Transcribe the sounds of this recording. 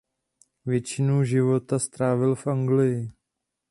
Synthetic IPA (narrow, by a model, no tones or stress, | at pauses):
vjɛt͡ʃɪnowʒɪvo̞t̪ast̪ɾaːvɪlfʔaŋɡlɪjɪ